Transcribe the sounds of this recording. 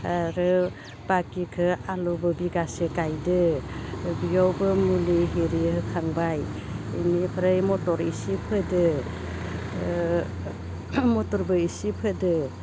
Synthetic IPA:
aɾɯ | b̥akikʰɯalubɯbiɡasekajdɯ | bijawbɯmuliɦeɾihɯkʰaŋbaj | ḭnipʰɾajmɔtɔɾisipʰɯdɯ | mɔtɔɾbɯisipʰɯdɯ

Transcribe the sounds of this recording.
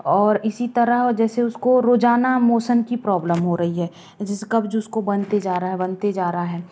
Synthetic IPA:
ɔːɾɪsit̪ɐɾəɦd͡ʒɛːseʊskoɾoːd͡ʒaːnamoːsənkipɾɔːbləmɦoɾɐɦiɦɛː | d͡ʒɪskɐbd͡ʒʊskobɐnt̪ed͡ʒaːɾəɦaɦɛbɐnt̪ed͡ʒaːɾɐɦaɦɛː

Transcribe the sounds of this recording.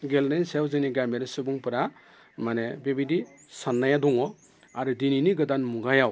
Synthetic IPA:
ɡelnajnsewzɯniɡameɾɯsɯbuŋpɯɾa | manebebidi | sanːajadɔŋɔ | aɾudininiɡɯdanmuɡajaw

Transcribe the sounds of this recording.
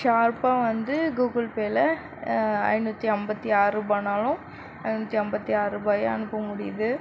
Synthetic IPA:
ʃaːɾpaːʋɐnd̪ɯɡuːɡɐɭpeːlɐ | ɐ̰ɪnut̪ːiɐmbɐt̪ːiaːɾɯbɐnaːlʊ̃m | ɐɪnuːt̪ːiɐmbɐt̪ːiaːɾɯbɐːjɐɐnɯpːɐmʊɽɪjɐðɯ

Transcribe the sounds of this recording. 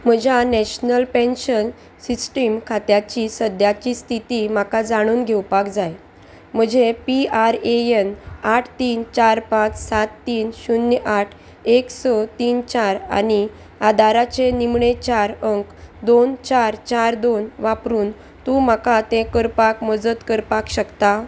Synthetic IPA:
m̤əd͡ʑʱjanɛɕnəlpẽnɕən | sisʈimkʰat̪jat͡ɕisəd̪ʱjat͡ɕist̪ʰit̪im̤akad͡zaɽ̃uːnɡʱewpakd͡zaj | m̤əd͡ʑʱepiaɾeenaʈʰt̪iːnt͡ɕaɾpãt͡ssat̪ːiːnɕunːʔaʈʰ | eksɔt̪iːnt͡ɕaɾa̰ni | ad̪ʱaɾat͡ɕenimɳet͡ɕaɾəŋkd̪ont͡ɕaɾt͡ɕaɾd̪onʋapɾuːn | t̪ũm̤akat̪ẽkəɾpakməd͡zət̪kəɾpakɕəkt̪a

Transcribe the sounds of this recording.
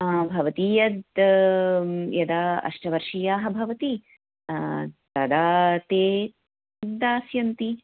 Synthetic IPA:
bʱɐʋɐt̪iːjɐd̪ | jɐd̪aːɐ̰ʂʈɐʋɐɾʂijaːɦɐbʱɐʋɐt̪i | t̪ɐd̪aːt̪eː | aːsjɐnt̪i

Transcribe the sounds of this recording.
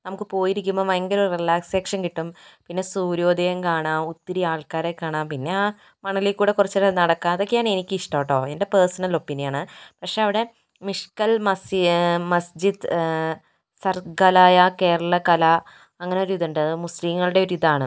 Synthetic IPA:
nɐmukːɨpo̞ːjiɾikʲːumːoːmeŋɡilorilaːkseːkʂɐnkiʈːumpinːe̞suːɾo̞ːd̪ʱɐjɐmkaːɳaːmut̪ːiɾiaːɭkaːɾekːaːɳaːmpinːe̞aː | mɐɳilekːuːɽe̞kurɐt͡ɕːɐɾenɐɽɐkːaːɐðo̞kʲːejaːɳenikʲːɨiʂʈoːʈːo̞ːende̞peːsɐnɐlo̞pːinijaːɳɨpɐkʂe̞ɐʋiɽe̞ | miʂkɐlmɐsmɐsd͡ʑid̪ | sɐrɡɐlaːjake̞ːɾɐɭɐkɐla | ɐŋːɐneoɾiðuɳɖɨmusliːŋːɐɭɨɽe̞oɾuiðaːɳɨ

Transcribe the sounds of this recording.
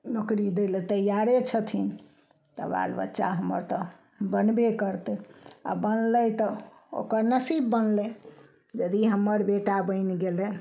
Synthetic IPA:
nokɾid̪elet̪əjaɾet͡ʃʰət̪ʰin | t̪ə̰ba̰lbə̰tːʃa̰ɦəmə̰ɾt̪ə | bənbekəɾt̪a̰bənlət̪ə | o̰kəɾnəsibːənle | d͡ʒəd̪iɦəmːəɾbeʈabəɪnɡelɛ

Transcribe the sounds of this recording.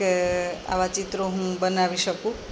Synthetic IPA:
a̰ʋat͡ʃit̪ɾoɦũbənaʋiʃəkũ

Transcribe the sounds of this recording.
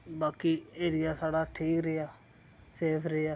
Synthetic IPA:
baːkiːeːɾɪjaːsaːɽaːʈʰiːkɾeaː | seːpʰɾəaː

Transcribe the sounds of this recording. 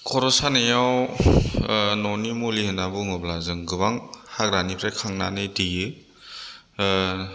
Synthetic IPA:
kʰɔɾɔsanejaw | nɔnimuliɦɯnabuŋɯblazɯŋɡɯβaŋhaɡɾanipʰɾajkʰaŋnanɯdijɯ

